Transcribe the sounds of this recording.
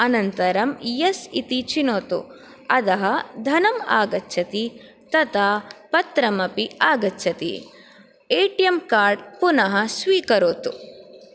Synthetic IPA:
ɐnɐnt̪ɐɾɐmjɐsit̪it͡ʃinoːt̪ṵ | ɐd̪ɐɦɐd̪ʱɐnɐma̰ːɡɐtːʃʰɐt̪i | t̪ɐt̪aːpɐt̪ɾɐmɐpiaːɡɐtːʃʰɐt̪ḭ | eːʈijɐmkaːɾɖpunɐɦɐsʋiːkɐɾoːt̪u

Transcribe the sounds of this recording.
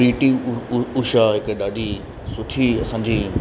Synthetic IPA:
ɾiːʈiʊʃaɦɪkɗaːɗi | sʊʈʰiɐsãːɲd͡ʑiː

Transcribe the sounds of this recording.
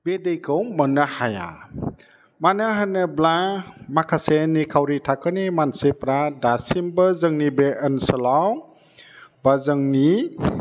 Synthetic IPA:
bedejkʰɯwmɔnahaja̰ | manəɦanɯblamakʰasenikʰawɾitʰakʰɯnimansepɾadasimbəzəŋnibeʔənsəlaw | bazəŋni

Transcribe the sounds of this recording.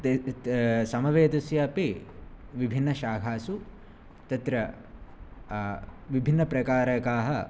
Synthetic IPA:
sɐmɐʋeːt̪ɐsjɐɐpiʋibʱinːɐʃaːɡʱaːsu | t̪ɐt̪ɾɐ | ʋibʱinːɐpɾɐkaːɾɐkaːɦɐ̆

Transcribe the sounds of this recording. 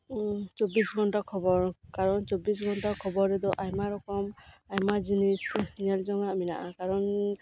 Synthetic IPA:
t͡ʃobisɡʱɔntakʰɔbɔɹkaɹɔnt͡ʃɔbisɡʱɔntakʰɔbɔɾɛd̪ɔʔajmaɾɔkɔmajmad͡ʒinisnalzɔŋaʔminaʔakaɾɔn

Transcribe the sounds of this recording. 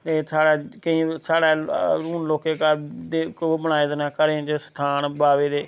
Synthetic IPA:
t̪eːsaːɽaːkəĩːsaːɽaːuːnloːkeːkad̪ekːbəɽ̃aːeːd̪enaːkəɾẽt͡ʃəsʈ̪ʰaːnbaːʋeːd̪eː

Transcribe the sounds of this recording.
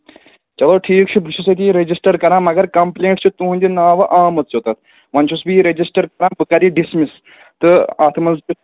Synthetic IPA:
t͡ʃɐloʈʰiːkt͡ʃʰubʱit͡ʃʰusɐt̪iɾed͡ʑisʈɐɾkɐɾãːmɐɡɐɾkɐmpleːɳʈt͡ʃʰut̪uɦũnʲd̪inaːʋɐʔaːmɐt̪t͡ʃot̪ɐt̪̚ʰ | ʋɐnt͡ʃʰusbiɾed͡ʑisʈɐɾkɐɾãːbɨkaɾiɖismis | t̪ɨaːt̪ʰmɐnzt͡ʃu

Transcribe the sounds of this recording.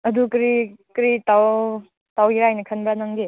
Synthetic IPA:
ɐdukɾikɾitaw | tawiɾajnɐkʰɐnbɾanaŋɡe

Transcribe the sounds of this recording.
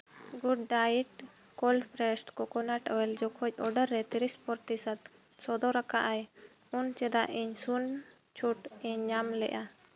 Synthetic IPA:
ɡuɖ̚ːaiʈkɔlpɾɛsʈkɔkɔnaʈɔwɛld͡ʒɔkʰɔc̚ˀɔɖəɾːɛt̪iɾispɔɾt̪isat̪̚ | sɔd̪ɔɾakaʔaj | unt͡ʃɛd̪aʔiɲsun | t͡ʃʰuʈiɲːamlɛ̰ʔa

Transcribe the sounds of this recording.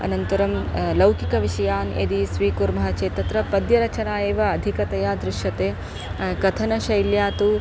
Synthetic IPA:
ɐ̰nɐnt̪ɐɾɐmlɐwkikɐʋiʃɐjaːnḛd̪isʋiːkuɾmɐɦɐt͡ʃeːt̪ːɐt̪ɾɐpɐd̪jɐɾɐt͡ʃɐnaːjeːʋɐːd̪ʱikɐt̪ɐjaːd̪ɾɪʃjɐt̪eː | kɐt̪ʰɐnɐʃɐjljaːt̪u

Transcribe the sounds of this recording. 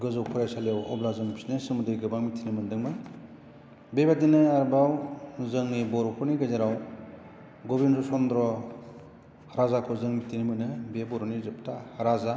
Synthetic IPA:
ɡɯzɯwpʰɔɾajsaljewɔ̰blazɯŋbisnesɯmudiɾiɡɯbaŋmitʰinimɯndɯŋmɯj | bebadinɯaɾbawzɯŋnibɔɾɔkʰɔniɡajzeɾaw | ɡɔbinzɔsɔndɾɔ | haɾazakʰɔzɯŋmitʰinimɯnɯbebɔɾɔnizɯp̚tahaɾaza

